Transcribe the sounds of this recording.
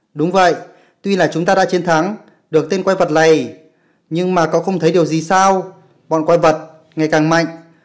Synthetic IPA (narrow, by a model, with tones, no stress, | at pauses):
ɗʊ˨˦ŋ͡mvə̰˧˨j | t̪wi˧laː˨˩t͡ɕʊ˨˦ŋ͡mt̪aː˧ɗa̰ː˧˥t͡ɕe˧nt̪ʰa˨˦ŋ | ɗɨ˨˩ək̚t̪e˧nkwa˧jvə˨˩t̚la˨˩j | ɲɨ˧ŋmaː˨˩kɔ̰˧˦˥xə˧wŋ͡mt̪ʰjɗi˨˩əwzi˨˩saː˧w | ɓɔ̰˧˨nkwa˧jvə˨˩t̚ | ŋa˨˩jkaː˨˩ŋma̰˧˨ŋ̟